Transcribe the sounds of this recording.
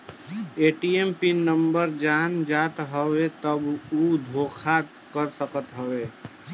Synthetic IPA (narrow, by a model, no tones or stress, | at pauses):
eʈiempinəmbəɾd͡ʒand͡ʒaːt̪ɦəwet̪əbud̪ʱokʰa | kəɾsəkət̪ɦəwe